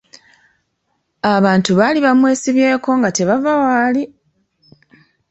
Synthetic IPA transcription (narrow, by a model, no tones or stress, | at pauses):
aβaːntuβaliβamwe̞ːsiβje̞ːko̞ŋɡate̞βavawaːli